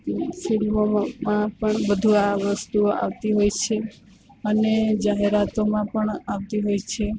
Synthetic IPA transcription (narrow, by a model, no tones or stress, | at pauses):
silmomãpəɳbəd̪ʱuaʋəst̪ua̰ʋt̪iɦojt͡ʃʰe | əned͡ʒaɦeɾat̪omãpəɳaʋt̪iɦojt͡ʃʰe